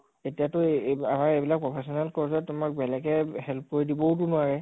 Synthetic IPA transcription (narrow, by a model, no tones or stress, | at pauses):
etijatʊamaɹebilak̚pɹɔpʰɛsɔnalkɔɹzɔtʊmak̚bɛlɛkɛɦɛlp̚koɹidibɔʊt̬ʊnaɹɛ